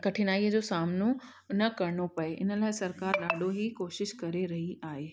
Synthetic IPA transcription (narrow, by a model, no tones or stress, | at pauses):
kɐʈʰɪnaːiəd͡ʑoːsaːmno | nɐkɐɾɳopɐeʔɪ̰nə̆laːɪsɐɾkaːɾɗaːɖʱoɦikoːʃɪʃkɐɾeɾɐɦiʔaːɦeː